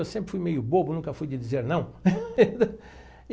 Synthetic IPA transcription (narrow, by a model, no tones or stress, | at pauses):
ewsẽpɾɪ̥fujmejʊbobʊnũkɐfujd͡ʒɪd͡ʒizeɾnɐ̃w̃d̪